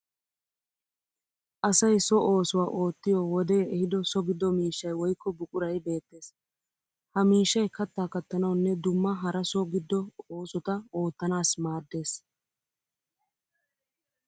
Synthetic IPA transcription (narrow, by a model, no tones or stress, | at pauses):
ʔɐsɐjsɔʔo̞ːsʊwaːʔo̞ːt̪ːɪjɔːwɔd̪ɛjɛɛhɪd̪ɔsɔɡɪd̪ːɔmiːʃːɐjwɔjkːɔbʊkʼʊɾɐjbe̞ːt̪ːe̞ːs | hɐmiːʃːɐjkɐt̪ːaːkɐt̪ːɐnɐwnːɛd̪ʊmːɐɦɐɾɐsɔɡɪd̪ːɔoːsɔt̪ɐo̞ːt̪ːɐnaːsmaːd̪ːe̞ːs